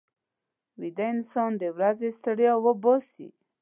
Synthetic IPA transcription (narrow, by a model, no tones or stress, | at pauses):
wid̪aɪnsɑnd̪ewɾazest̪əɽjawəbɔsḭ